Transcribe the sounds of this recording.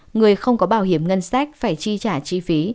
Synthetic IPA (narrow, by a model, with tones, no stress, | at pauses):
ŋɨ˨˩əjxə˧wŋ͡mkɔ˨˦ɓaː˧˩wɦi˧˩əmŋə˧nsa˦˥k̚faː˧˩jt͡ɕi˧t͡ɕaː˧˩t͡ɕi˧fi˨˦